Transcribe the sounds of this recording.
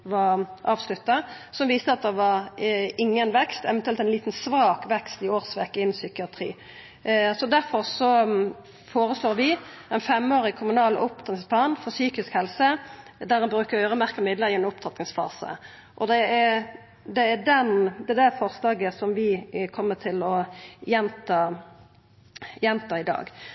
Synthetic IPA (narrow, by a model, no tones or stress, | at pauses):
ʋɑʔɑːʋslʉt̪ːɑsɔmʋiːst̪əɑt̪̚d̪ɛʋɑɾɪŋːənʋɛkst̪ɛʋɛnt̪ʉɛlt̪ɛnliːt̪n̩sʋɑːkʋɛkst̪ɪoːʁsʋɛkːəɪnːsʏkɪɑt̪ʰɾḭː | sɔd̪æɾfɔɾsɔ | foːɾəsloːɾʋɪɛnfɛmːoːɾɪkʰʊmʉnɑːlʔʊp̚t̪ʰɑt̪ɪspʰlɑːnfɔʁsyːkɪskhɛlsəd̪æɾɛnbɾʉːkəʁœːɾəmæʁkəmɪd̪ləɾɪɛnʊp̚t̪ʰɑt̪nɪŋsfɑ̰ːsə̰ | ʔɔd̪ɛæ | d̪ɛːɖɛnd̪ɛd̪ɛfɔʁslɑːɡəsɔmʋɪkʰɔmːət̪ʰɪlɔjɛnt̪ɑ | jɛnt̪ɑɪd̪ɑ̰ːɡ